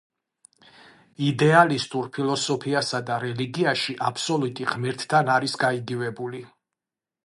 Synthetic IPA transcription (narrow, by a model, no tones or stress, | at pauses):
id̪ɛalist̪ʼuɾpʰilˠɔsɔpʰiasad̪aɾɛliɡiaʃiʔapʰsɔlˠut̪ʼiʁmiɾt̪ʰːanaɾisɡaiɡivɛbuli